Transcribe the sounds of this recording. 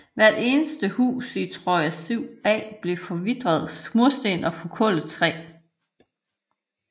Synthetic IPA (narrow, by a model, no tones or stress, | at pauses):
ʋæɐ̰d̥e̝ːnəsd̥əhṵːsit͡sʰʁɔæsiʊ̰ɛ̰ːb̥le̝fɒ̽ʋid̥ʁɐð̞ˠsmuɐsd̥e̝ːnɒfɒ̽kʰɔ̽lət͡sʰʁɛ̰ː